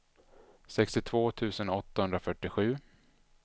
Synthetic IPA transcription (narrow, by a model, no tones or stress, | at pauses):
sɛkst̪ɪt̪ʰvoːt̪ʰʉ̟ːsənɔt̪ːahɵnd̪ɾafœʈːɪɧʉ̟ː